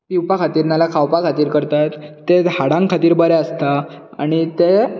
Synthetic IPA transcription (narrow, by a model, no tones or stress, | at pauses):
piwpakʰat̪iːɾnalakʰawpakʰat̪iːɾkəɾt̪at̪ːehaɽãŋkʰat̪iːɾbəɾɛəst̪aa̰ɽ̃it̪e